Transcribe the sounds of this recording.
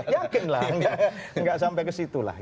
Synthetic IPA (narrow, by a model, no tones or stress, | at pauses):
jakɪnla̰hŋɡaʔŋɡaʔsampɛkəsit̪ula̰h